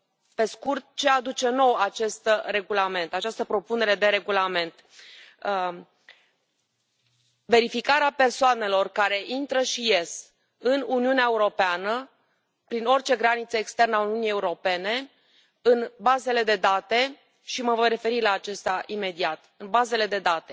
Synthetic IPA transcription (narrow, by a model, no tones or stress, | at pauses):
pe̞skurt̪̚t͡ʃe̞ad̪ut͡ʃe̞no̞wat͡ʃe̞st̪re̞ɡulame̞nt̪at͡ʃast̪əpɾo̞pune̞ɾe̞d̪e̞ɾe̞ɡulame̞nt̪ | ve̞ɾifikaɾeape̞rsoane̞lo̞rkaɾe̞ʔint̪ɾəʃije̞s | ɨnuniuneaeuɾo̞peanə | pɾino̞rʲt͡ʃe̞ɡɾanit̪səekst̪e̞rnəauniunijeuɾo̞pe̞ne̞ | ɨnbaze̞le̞d̪e̞d̪at̪e̞ | ʃiməvo̞jre̞fe̞ɾilaːt͡ʃe̞st̪eaʔime̞d̪iat̪ɨnbaze̞le̞d̪e̞d̪at̪e̞